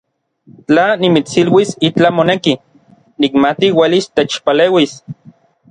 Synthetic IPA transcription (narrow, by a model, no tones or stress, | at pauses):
t͡ɬanimit͡silwisit͡ɬamoneki | nikmat̪iwelist̪et͡ʃpaleːwis